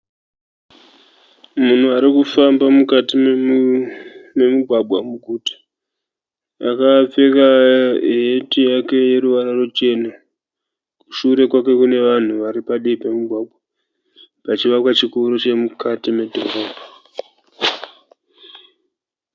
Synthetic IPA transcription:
mun̤uaɾikufambamukati | me̞muɡʱwabʱwamuɡʱuːtḁ | akap͡fe̞ka | etijake̞je̞ɾuʋaɾarot͡ʃe̞na | ku̥ʃuɾe̞kwake̞kune̞ʋan̤uʋaɾipaɗiipe̞muɡʱwaɓʱwa | pat͡ʃiʋakwat͡ʃikuɾot͡ʃe̞mukatime̞dʱo̰voːbʱḁ

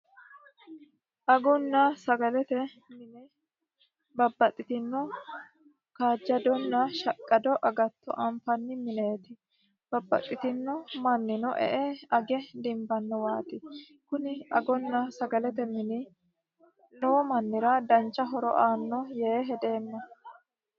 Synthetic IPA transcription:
ʔɐɡɔnːɐsɐɡɐlɛt̪ɛ | mɪnɛ | bɐbːɐt̪ʼːɪt̪ɪnːɔ | kaːd͡ʒːɐd̪ɔnːɐʃɐkʼːɐd̪ɔʔɐɡɐt̪ːɔ̰ʔɐmfɐnːɪmɪne̞ːt̪ɪ | b̥ɐbːɐ̰t̪ʼːɪt̪ɪnːɔmɐnːɪnɔʔɛ̰ʔɛɐɡɛd̪ɪmbɐnːɔwaːt̪ɪ | kʊnɪɐɡɔnːɐsɐɡɐlɛt̪ɛmɪnɪ | nɔːmɐnːɪɾɐd̪ɐnt͡ʃːɐɦɔɾɔ̰ʔaːnːɔjeːɦɛd̪e̞ːnːɐ

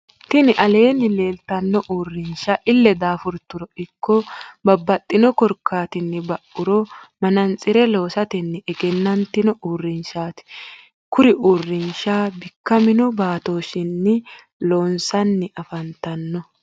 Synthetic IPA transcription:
t̪ɪnɪʔɐle̞ːnːɪle̞ːlt̪ɐnːɔʔuːrːɪnʃaʔɪlːɛd̪aːfʊɾt̪ːʊɾɔɪkːɔbɐbːɐt̪ʼːɪnɔkɔɾkːaːt̪ɪnːɪbɐʔʊɾɔmɐnɐnt͡sʼːɪɾɛlo̞ːsɐt̪ɛnːɛɛɡɛnːɐnt̪ɪnɔuːrːɪnʃaːt̪ɪ̥ | kʊɾɪʔuːrːɪnʃaːbɪkːɐmɪnɔbaːt̪oːʃɪnːɪ | lo̞ːnsɐnːɪʔɐfɐnt̪ɐnːɔ

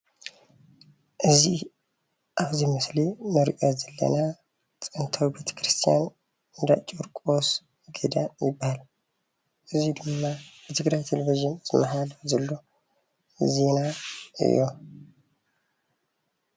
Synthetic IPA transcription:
ʔɨzːih | ʔaβzihmɨslinəɾiʔʼozəlːə̰na | t͡sʼənt̪ʰawibe̞t̪ʰə̥kɾɨst̪ʰija̰n | ɨnd̪a̰t͡ʃʼoɾkʼos | ɡed̪ajɪbːal | ʔɨzːid̪ɨmːabət̪ʰɨɡɾajt̪ʰeleviʒɪnzmaɦalzəlːo | zenaɨ̰jo̰

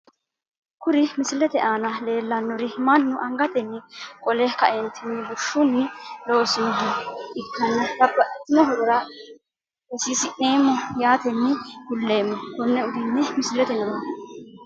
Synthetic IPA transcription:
kʊɾɪmɪsɪlɛt̪ɛʔaːnɐle̞ːlːɐnːɔɾɪmɐnːʊʔɐŋɡɐt̪ɛnːɪkʼɔlɛkɐ̰ʔɛnt̪ʰɛnːɪbʊʃʊnːɪloːsɪnd̪ɪɪkːɐnːɐdɐbːɐʔɛt̪ːɪnɔɦɔd̪ɔɾɐ | ɛsiːsɪʔneːmːɔjaːt̪ɛnːɪhʊlːeːmːɔbɔnːɛʊd̪ɪnːɛmɪsɪlɛt̪ɛnɔnɔ

